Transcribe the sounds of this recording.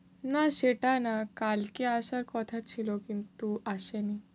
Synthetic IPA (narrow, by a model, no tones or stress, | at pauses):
naɕeʈanakalkiaɕaɾkɔt̪ʰat͡ɕʰilɔkint̪uʔaɕeni